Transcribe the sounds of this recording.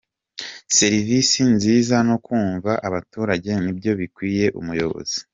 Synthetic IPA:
se̞ɾivisinziːzano̞kuːɱvaʔaβatuːɾaɟe̞nibjo̞βikwiːje̞ʔṵmujo̞̰βo̰z̥i̥

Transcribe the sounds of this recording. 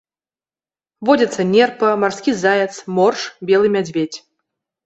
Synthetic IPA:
vɔdʲɐt̪sːɐnʲɛrpɐmarskʲizajɛt̪smɔrʂbʲɛlˠɨmʲad͡zʲvʲet͡sʲ

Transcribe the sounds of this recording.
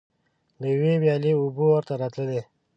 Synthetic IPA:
d̪əjwewjɑliubuwəɾt̪aɾat̪ləle

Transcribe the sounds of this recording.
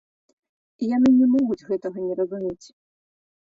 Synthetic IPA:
ijanɨnʲɛmɔɣud͡zʲɣɛt̪ɐɣɐnʲɛɾɐzumʲet͡sʲ

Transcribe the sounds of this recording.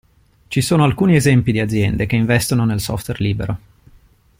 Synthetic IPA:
t͡ʃisoːnoalkuːniezɛmpid̪iad̪zːjɛnd̪ekeiɱvɛst̪ononelsɔ̰ft̪werliːbḛɾo

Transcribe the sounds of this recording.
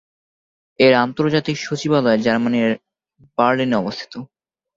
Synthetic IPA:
eɾant̪oɾd͡ʑat̪ikʃot͡ɕibalɔed͡ʑaɾmaneɾ | b̥aɾlineɔbost̪ʰi̥t̪o

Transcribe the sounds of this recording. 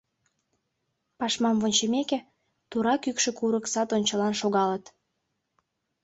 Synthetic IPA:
pɑʃmɑmvonʲt͡ɕəmeke | t̪uɾɑkykʃĕkuɾəksɑt̪onʲt͡ɕəlɑnʃoɣɑlət̪

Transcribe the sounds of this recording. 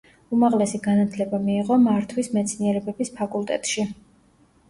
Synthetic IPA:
umaʁlɛsiɡanat̪ʰlɛbamiːʁɔmaɾt̪ʰwismɛt̪sʰniɛɾɛbɛbispʰakʼulˠt̪ʼɛ̰t̪ʼʃi

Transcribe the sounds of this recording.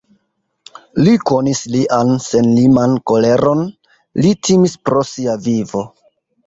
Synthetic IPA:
liko̞nisliʔanse̞nlimanko̞le̞ɾo̞n | litʰimispɾo̞siavivo̞

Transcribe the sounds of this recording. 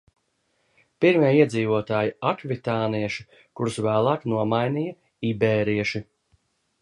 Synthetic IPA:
piɾmʲiɛiɛd̪ziːvuɔt̪aːjiakvit̪aːniɛʃi̥ | kuɾsvæːlˠɑːknuɔmajniːja | ibɛːɾiɛʃi

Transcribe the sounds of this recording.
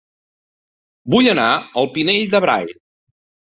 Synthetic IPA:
buʎənaəlˠpineʎd̪əβɾa̰ʎ

